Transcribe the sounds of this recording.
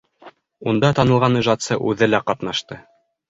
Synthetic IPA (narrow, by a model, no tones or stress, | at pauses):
und̪ɑt̪ɑnɤ̆lˠʁɑniʒɑt̪sɤʔʉðɘlæqɑt̪nɑʃt̪ɤ